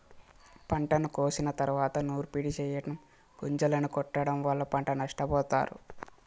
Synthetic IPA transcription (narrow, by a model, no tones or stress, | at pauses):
pɐɳʈɐnukoːsinɐt̪ɐɾuʋaːt̪ɐnuːɾupiɽit͡ʃɛːjɐɽɐm | ɡuɲd͡ʒɐlɐnukɔʈːɐɽɐmʋɐɭːɐpɐɳʈɐnɐʂʈɐbɔːt̪a̰ːɾṵ